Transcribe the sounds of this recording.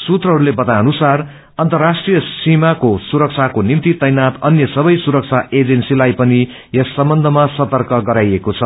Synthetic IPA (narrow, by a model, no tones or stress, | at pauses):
sut̪rʌɦʌɾulebʌt̪aʌnusar | ʌnt̪ʌrːasʈrijʌsimakosuɾʌk̚t͡sʰakonimt̪it̪ʌjnat̪ʌnjʌsʌbʌjsuɾʌk̚t͡sʰaʔed͡zensilajpʌni | jʌsːʌmbʌnd̪ʱʌmasʌt̪ʌrkʌɡʌɾajekot͡sʰʌ